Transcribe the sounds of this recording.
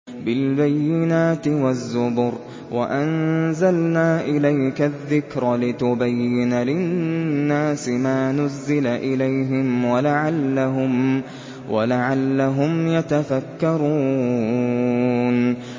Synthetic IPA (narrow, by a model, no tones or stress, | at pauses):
bɪlbajːɪnaːt̪ɪwazːʊbʊɾ | wʔa̰ʔannzalnaːʔɪlajkaðːɪkɾˤlɪt̪ʊbajːɪnalɪnnnːaːsɪmaːnʊzːɪlaʔɪlajɦɪmwalaʕalːaɦʊm | walaʕalːaɦʊmjat̪afakːɑɾˤuː | n